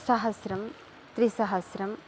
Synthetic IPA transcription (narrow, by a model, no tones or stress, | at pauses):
sɐɦɐsɾɐm | t̪ɾisɐɦɐsɾɐm